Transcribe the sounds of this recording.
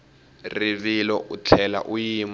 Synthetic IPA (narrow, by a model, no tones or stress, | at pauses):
riβilɔʔut͡ɬʰɛla̰ʔujim